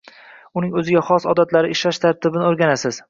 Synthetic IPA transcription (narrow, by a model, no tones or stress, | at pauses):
ʊnɪŋɵzɪɡʲaχɒsɒ̰d̪at̪laɾɪɪʃlaʃt̪ʰaɾt̪ʰɪbɪnɪoɾɡʲanasɪz̥